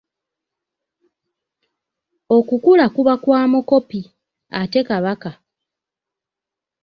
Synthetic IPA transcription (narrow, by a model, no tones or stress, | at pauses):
o̞kukulakuβakwaːmuko̞pi | ate̞kaβaka